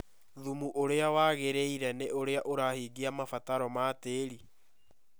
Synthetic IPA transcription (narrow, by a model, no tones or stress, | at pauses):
ðumuʔoɾeawaːɣeɾeiɾɛneʔoɾeaʔoɾahiːɡiamafataɾɔmaːteːɾi